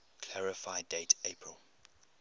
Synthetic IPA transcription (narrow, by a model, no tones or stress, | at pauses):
kʰl̥æɹɪfaɪdeɪtʰepʰɹəlˠ